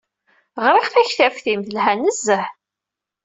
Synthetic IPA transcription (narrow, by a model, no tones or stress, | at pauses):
ʁɾˤiχθæçθæfθimθəlhænːəzːəħ